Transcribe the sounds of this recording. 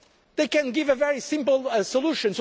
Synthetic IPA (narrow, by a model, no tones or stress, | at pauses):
ðeɪkɨ̃nɡɪvɨvɛɹisɪ̃mpl̩ˠsəlˠuʃɨ̃ns